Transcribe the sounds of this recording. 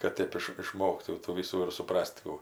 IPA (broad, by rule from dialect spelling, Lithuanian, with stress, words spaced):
kɐt ˈtʲeːp ɪʃ ɪˈʃmoːktuː tuː ˈʋʲiːsuː ɪr sʊˈprɐsʲtʲ kuː